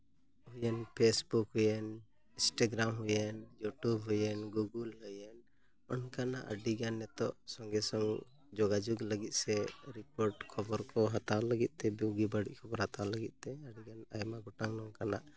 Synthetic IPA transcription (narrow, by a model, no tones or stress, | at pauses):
hujɛnpʰesbukɦujɛn | ĩsʈaɡɾamɦujɛnjuʈubɦujɛnɡuɡulɦɔjɛn | ɔnkanaʔə̰ɖiɡanːɛt̪ɔ̰ʔsɔŋɡɛsɔŋ | d͡ʒɔɡad͡ʒuɡləɡit̪̚sɛɾikɔɾʈkʰɔbɔɾkɔɦat̪awləɡit̪̚t̪ɛbiwɡibaɽiʔkʰɔbɔɾhat̪aləɡit̪̚t̪ɛaɖiɡanajmaɡɔʈaŋnɔŋkanaʔ